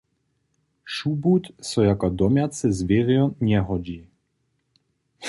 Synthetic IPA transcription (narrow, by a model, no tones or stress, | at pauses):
ʃubut̪sɔjakad̪ɔmʲjat̪sɛzvɪɾjɔɲɛɦɔd͡ʑi